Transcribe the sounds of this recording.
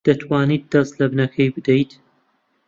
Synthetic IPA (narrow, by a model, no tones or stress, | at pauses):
d̪̥ɐt̪ʰwaːnit̪̚d̪ɐzt̪lɐbnɐkʰɐjbɨd̪ejt̪